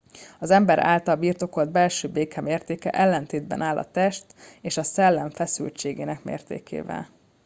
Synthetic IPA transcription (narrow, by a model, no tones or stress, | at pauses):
ɒzɛmbɛɾa̰ːlt̪ɒlbiːrt̪o̞ko̞ld̪̚bɛlʃøːbeːkɛmeːrt̪eːkɛ̰ʔɛlːɛnt̪eːd̪̚bɛ̰naːlʔɒ̰t̪ɛʃt̪eːʃɒsɛlːɛɱfɛsy̰lt͡ʃeːɡeːnɛkmḛːrt̪ḛːkʰḛːvɛ̰l